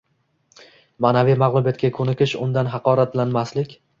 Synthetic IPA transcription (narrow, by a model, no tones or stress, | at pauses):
manavijmaʁlˠʊbjat̪̚kʲakʰɵnɪkʲɪʃʊ̰nd̪anɦɑqɒːɾat̪lanmaslɪkʲ